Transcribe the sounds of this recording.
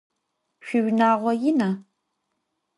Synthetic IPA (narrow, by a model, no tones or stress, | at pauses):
ɕʷʊʒʷnaːʁʷɔjɪnɐ